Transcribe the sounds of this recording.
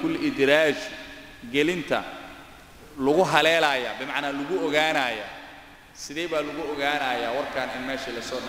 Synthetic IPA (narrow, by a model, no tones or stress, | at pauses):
kʰʊlɪd̪ɾaːs | ɡɛlɪnt̪ʰɐ̰ | lʊɣʊɦɐlɛːlɐːjaːbɪmɑʕnaːlʊɣʊɔɣaːnaːja̰ː | sɪðɛːjβaːlʊɣʊɔɣaːnaːjaːwɑrkʰaːnɪnmɛːʃilɐsɔːɖɐ